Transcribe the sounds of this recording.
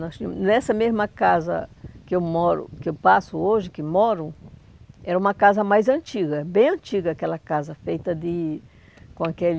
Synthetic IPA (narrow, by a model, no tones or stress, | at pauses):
nɔt͡ʃinɛsɐmezmɐkazɐ̰kɪewmɔɾʊ̰kɪewpasʊoʒɪkɪmɔɾʊ | ɛɾɐũmɐkazɐmajzɐ̃nt͡ʃiɡɐbẽj̃ɐ̃nt͡ʃiɡɐakɛlɐkazɐfejt̪ɐd̪ɪ | kõakel